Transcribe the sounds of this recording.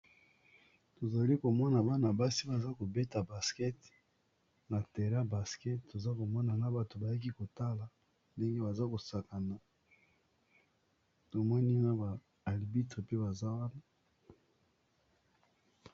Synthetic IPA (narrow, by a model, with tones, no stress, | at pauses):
to˨za˨li˦ko˨mɔ˦na˨ba˦na˨ba˦si˦ba˨za˦ko˨be˦ta˨ba˨skɛ˦t | na˨te˨ʁa˦ba˨skɛ˦tto˨za˦ko˨mɔ˦na˨na˦ba˨to˨ba˨ja˦k̬i˦ko˨ta˦la˨ | nde˦ŋɡe˦ba˨za˦ko˨sa˨ka˨na˨ | to˨mɔ˦ni˦na˦ba˨ | a˨li˨bi˦te˨pe˦ba˨za˦wa˦na˦